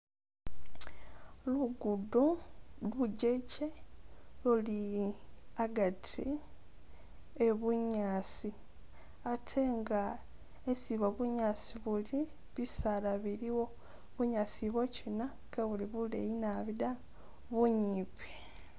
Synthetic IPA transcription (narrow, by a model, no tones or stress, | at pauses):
luɡuduluɟeceluli | aɡatʰḭ | eβuɲaːsi | atʰe̞ŋɡa | esiβaβuɲaːsiβuli | βisalaβiɾiwo̞ | βuɲaːsiβocina | kʰaβuliβulḛjinaβida | βuɲiːpʰe̥